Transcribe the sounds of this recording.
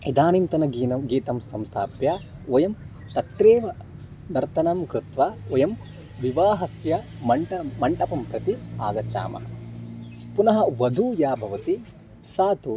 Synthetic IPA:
id̪aːnimt̪ɐnɐɡiːnɐɡiːt̪ɐmsɐmst̪ʰa̰ːpjaːojɐm | t̪ɐt̪ɾeːʋɐ | d̪ɐɾt̪ʰɐnɐmkɾut̪ʋaojɐm | ʋiʋaːɦɐsjɐ | mɐɳʈɐmːɐɳʈɐpɐmpɾɐt̪ia̰ːɡɐt͡ʃa̰ːmɐ̰ | punɐɦɐʋɐd̪ʱuːjaːbʱɐʋɐt̪i | saːt̪u

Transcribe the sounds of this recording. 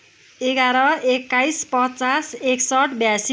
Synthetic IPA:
eɡaɾʌekːajspʌt͡saseksʌʈbjasi

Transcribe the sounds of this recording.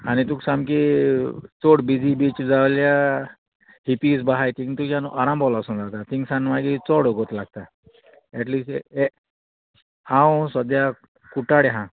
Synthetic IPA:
anit̪uksamki | t͡sɔɽbid͡zibit͡ʃd͡zaʋlja | hipisbaɦajt̪ĩŋt̪ukanṵʔaɾãmbɔlasũnd͡z̪at̪at̪iŋɡsanmaɡit͡sɔɽoɡot̪laɡ̚t̪a | ɛʈliːsʈe | ãw̃sɔd̪ja | kuʈaɽeɦã

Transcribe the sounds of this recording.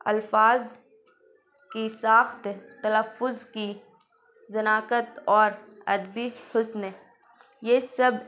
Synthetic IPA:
ɐ̰lfaːz | kisaːxt̪t̪ɐləfːʊzki | zɐnaːkət̪ɔːɾɐd̪bihʊsne | jesɐb

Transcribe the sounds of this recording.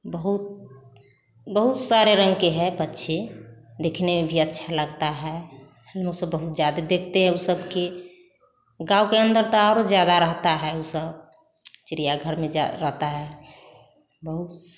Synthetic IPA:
bəɦut̪̚ | bəɦut̪saɾeɾəŋɡkeɦɛbətːʃʰed̪ekʰnemebʱiətːʃʰaləɡt̪aɦɛ | lmusəbːəɦut̪̚d͡ʒjad̪ed̪ekʰt̪eɦɛ̃usəbke | ɡãukeənd̪əɾt̪ɔaɾod͡ʒjad̪aɾəɦt̪aɦɛusəb | t͡ʃɾijaɡʱəɾmẽd͡ʒɾəɦt̪aɦɛ | bəɦut̪

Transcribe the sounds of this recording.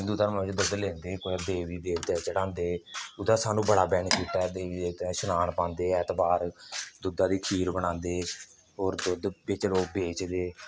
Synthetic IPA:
ɦɪ̃nd̪uːt̪əɾmãːɪt͡ʃd̪ʊd̪lɛ̃ːnd̪eːkoːad̪eːʋiːbeːkʰd̪ɛːt͡ʃəɽãːnd̪eːʊd̪aːsaːnũːbəɽaːbɛːɳkiːt̪aːd̪eːʋiːeːt̪ɛ̃ːʃʊnaːɳpãːnd̪eːɛːt̪baːɾd̪ʊd̪ãːd̪iːkʰiːɾbəɽãːnd̪eː | ɦoːɾd̪ʊd̪bɪt͡ʃloːkbeːt͡ʃd̪eː

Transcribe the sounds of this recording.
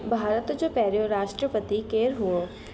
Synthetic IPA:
bʱaːɾət̪d͡ʒopɛːɾjoɾaːʃʈɾəpət̪ikeːɾɦuo

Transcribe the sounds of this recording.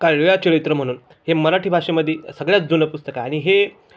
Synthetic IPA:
kaɭjat͡ɕəɭit̪ɾəm̤əɽ̃uːn | heməɾaʈʰiːbʱaʂeməd̪ʱːjesəɡɭjat͡sd͡zunəpust̪əkaːɽ̃iɦe

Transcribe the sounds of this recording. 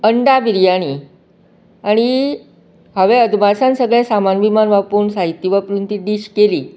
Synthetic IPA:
əɳɖabiɾjaɽ̃iː | aɽ̃i | ɦəʋẽəd̪bʱaɾsãnsəɡɭɛ̃samanʋimanʋapuːnsaɦit̪ːiʋapəɾunt̪iɖiɕkeliː

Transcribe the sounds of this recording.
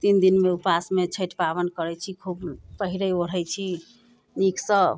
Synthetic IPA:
t̪ind̪inmeupasmet͡ʃʰəʈpaβənkəɾɛt͡ʃʰikʰubpəɦiɾəoɾɦɛjt͡ʃʰi | niksə̃

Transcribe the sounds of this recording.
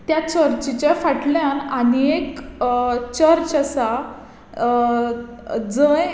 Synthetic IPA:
t̪jat͡ɕəɾt͡ɕit͡ɕafaʈljananiek | t͡ɕəɾt͡ɕasa | d͡zəj

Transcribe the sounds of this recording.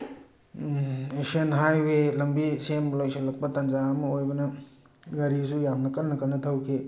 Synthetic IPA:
eksiɐnɦajwelɐmbisemlojsʰɐlːɐk̚pɐtɐnd͡ʒaːmɐojbɐnɐ | ɡɐɾisujamnɐkɐlnɐkɐlnːɐtʰɐwkʰe

